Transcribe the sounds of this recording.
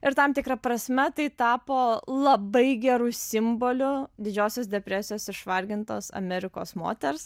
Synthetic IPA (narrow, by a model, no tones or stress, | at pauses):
ɪɾt̪ɐmt̪ʲɪkɾɐpɾɐsʲmʲɛt̪ɐɪt̪ɑːpoːlˠɐbɐɪɡʲɛɾusʲɪmboːlʲʊd̪ʲɪd͡ʒʲoːsʲoːsd̪ʲɛpʲɾʲæsʲɪjoːsɪʃʋɐlʲɡʲɪnt̪oːsɐ̰mʲɛɾʲɪko̰ːsmo̰ːt̪ʲɛɾs